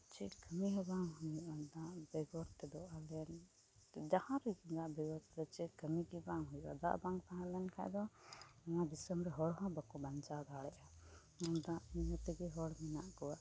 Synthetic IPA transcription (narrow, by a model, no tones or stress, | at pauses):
t͡ʃɛkəmiɦɛbaŋɦuɲuʔad̪aʔbɛɡɔɾt̪ɛd̪ɔʔalɛn | d͡ʒahãɾiɡid̪aʔbɛɡɔɾt̪ɛd̪ɔt͡ʃɛkəmiɡibaŋɦujʔa̰d̪a̰ʔbaŋt̪aɦãlɛnkʰa̰d̪ɔaŋãd̪isəmɾɛɦɔɽɦɔ̃bakɔbaɲt͡ʃad̪aɽɛʔa | ɔ̃nd̪aʔiɲət̪ɛɡɛɦɔɽmina̰ʔkɔwa